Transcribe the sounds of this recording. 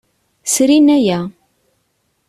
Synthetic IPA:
sɾinæjæ

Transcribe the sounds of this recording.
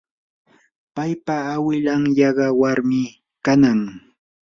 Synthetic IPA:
pajpaːwɪʎaŋjɑɢɑwaɾmɪ | kanaŋ

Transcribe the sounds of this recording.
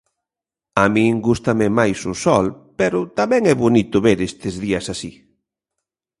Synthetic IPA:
amĩŋɡust̪ɐmɪmajsʊsɔlpɛɾʊt̪amɛ̃ŋɛβonit̪ʊβeɾest̪ɪzðiɐsasi

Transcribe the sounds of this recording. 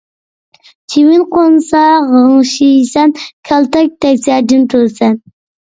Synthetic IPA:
t͡ʃʰiwɪnqʰonsɑʁəŋʃijisɛnkʲʰɛlˠt̪ɛk̚ʲt̪ɛkʲsæɾd̪ɪnt̪ʰuɾsɛn

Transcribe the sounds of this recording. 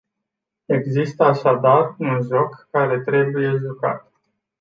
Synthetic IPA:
e̞ɡzist̪əaʃad̪arunʒo̞kːaɾe̞t̪ɾe̞buje̞ʒoka̰t̪

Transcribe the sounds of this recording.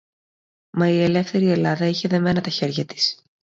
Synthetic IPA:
mɐie̞le̞fθe̞ɾie̞lɐðɐiçe̞ðe̞me̞nɐt̪ɐçe̞ɾʝɐt̪i̥s

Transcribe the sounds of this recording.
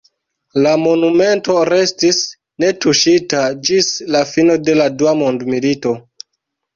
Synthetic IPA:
lamo̞nume̞nto̞ɾe̞stis | ne̞tuʃitad͡ʒislafino̞de̞laduamondmilito̞

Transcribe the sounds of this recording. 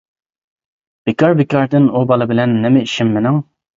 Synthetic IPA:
b̥ɪkʲɑɾbɪkɑɾd̪ɪnubɑlˠɨbɪlɛnːɪmɪiʃɪmːɪnɪŋ

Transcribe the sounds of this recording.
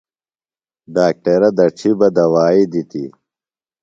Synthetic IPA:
ɖaːk̚ʈɐɾɐd̪ɐʈ͡ʂʰibɐd̪ɐwaːid̪it̪ḭ

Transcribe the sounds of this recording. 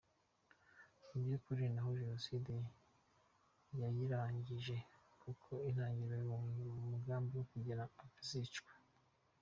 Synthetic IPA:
ibjokuɾinaɦoʒino̞side | jajiɾaːɲɟiʒe̞kʰukʰo̞inhaːɲɟiɾojiuːŋɡuɾamumuɡaːmbiwokuɟiɾaːfizit͡ʃkwe̥

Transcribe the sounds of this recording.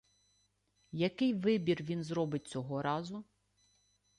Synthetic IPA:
jɐkɪjʋɪbʲirʋʲinzɾɔbɪt̚ʲt͡sʲɔɦɔɾɑzʊ

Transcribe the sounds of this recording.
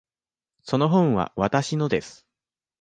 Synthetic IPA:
so̞no̞ɦõ̞ɰ̃βa̰βat̪aɕinod̪e̞sɨ̥

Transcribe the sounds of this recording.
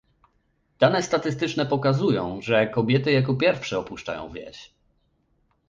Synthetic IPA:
d̪̥anɛst̪at̪ɘst̪ɘt͡ʂnɛpɔkazujɔ̃w̃ʐɛkɔbʲjɛt̪ɘjakɔpʲjɛɾfʂɛɔpuʂt͡ʂa̰jɔ̰̃w̃vʲjɛ̰ɕ

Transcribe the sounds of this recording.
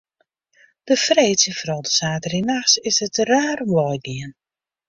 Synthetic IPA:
d̥əfreːtsənfrɔwˠdəsaːtərinaxsɪsətraːrʋɔjɡiən

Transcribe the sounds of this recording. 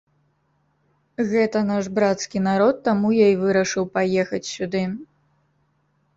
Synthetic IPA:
ɣɛt̪ɐnaʂbɾat̪skʲin̪aɾɔt̪ːamujaivɨɾɐʂɨwpajɛxɐt͡sʲsʲud̪ɨ

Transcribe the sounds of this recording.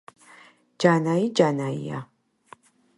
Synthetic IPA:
d͡ʒaːnaːjid͡ʒaːnaːjḭja̰

